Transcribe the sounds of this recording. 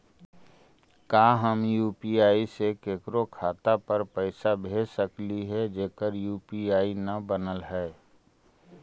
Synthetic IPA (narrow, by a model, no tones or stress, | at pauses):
kaːɦəmjuːpiaːisekeːkɾokʰaːt̪apəɾpəɪsabʱeːd͡ʒsəkliɦɛd͡ʒeːkəɾjuːpiaːinɐbənəlɦɛː